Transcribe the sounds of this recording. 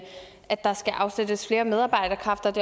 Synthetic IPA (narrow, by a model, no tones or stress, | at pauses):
ʔæd̥ːɑ̈sɡ̥æʔɑ̈ʊsed̥əsfle̝ːɐmeð̞ˠɑ̈ːb̥ɑ̈ɪ̰d̥ɐkʰʁɑ̈fd̥ɐd̥e̝